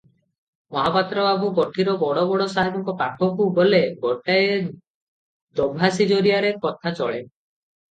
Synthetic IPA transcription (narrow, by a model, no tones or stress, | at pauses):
mɔɦapat̪ɾɔabukɔʈʰiɾɔbɔɽɔbɔɽɔsaɦibɔŋkɔpapʰɔkubolebɔʈaje | d̪obʱasid͡ʒoɾiaɾekɔt̪ʰat͡ʃɔɭe